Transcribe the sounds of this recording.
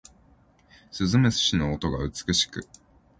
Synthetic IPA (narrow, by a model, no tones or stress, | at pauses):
sɨzɨmesɨ̥ɕino̞ːt̪oɡaɯ̟t͡sɨ̥kɯ̟ɕi̥kɯ̟